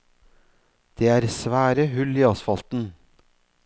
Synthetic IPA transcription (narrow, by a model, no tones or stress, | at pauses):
d̪̥eːæːɾsʋæːɾəhʉliːɑsfɑlt̪n̩